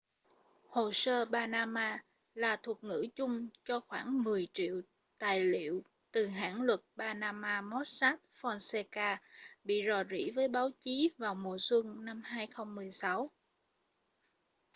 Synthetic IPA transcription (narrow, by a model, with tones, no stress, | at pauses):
ho˨˩səː˧ɓaː˧naː˧maː˧ | laː˨˩t̪ʰu˨˩ət̚ŋɨ̰˧˥t͡ɕʊ˧ŋ͡mt͡ɕɔ˧xwaː˧˩ŋmɨ˨˩əjt͡ɕḭ˧˨əw | t̪aː˨˩jlḭ˧˨əw | t̪ɨ˨˩ɦa̰ː˧˥nlwə˨˩t̚ɓaː˧naː˧maː˧mɔ˦˥t̚saː˦˥t̚fɔ˧nsɛ˧kaː˧ɓḭ˧˨zɔ˨˩zḭ˧˥vəː˨˦jɓaː˨˦wt͡ɕi˨˦vaː˨˩wmu˨˩əswə˧ŋna˧mhaː˧jxə˧wŋ͡mːɨ˨˩əjsa˨˦w